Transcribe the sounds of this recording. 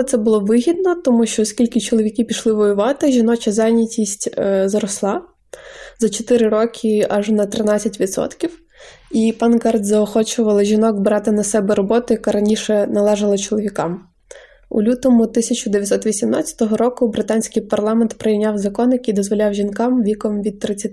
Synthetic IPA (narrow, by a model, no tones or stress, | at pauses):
t̪sɛbʊlˠɔʋɪɦʲid̪nɔt̪ɔmuʃt͡ʃɔːskʲilʲkɪt͡ʃɔlˠɔʋʲikʲipʲiʃlˠɪʋɔjʊʋɑt̪ɪʒʲinɔt͡ʃɐzɑjnʲɐtʲisʲtʲzɾɔslˠɑ | zɐt͡ʃɔt̪ɪɾɪɾɔkʰɪɑʒnɐt̪ɾɪnɑɐtʲʋʲid̪sɔ̰t̪kʲiw | ipɑnɡɑrd̪zɐɔxɔt͡ʃʊʋɐlˠɐʒʲinɔkbɾɑt̪ɪnɐsɛbɛɾɔbɔt̪ʊjɐkɑɾɐnʲiʃɛnɐlˠɛʒɐlˠɐt͡ʃɔlˠɔʋʲikɑm | ṵlʲut̪ɔmʊt̪ɪsʲɐt͡ʃʊd̪ejɐt̪ʲsɔt̪ʋʲisʲimnɑ̰t͡sʲːɐ̥t̪ɔɦɔɾɔkʊbɾɪt̪ɑnʲsʲkɪjpɐrlˠɑment̪pɾejinʲɑwzɐkɔnjɐkid̪ɔzʋɔlʲɑwʒʲinkɑmʋʲikɔmʋʲid̪̚t̪ːɾɪt͡sʲːɐt̪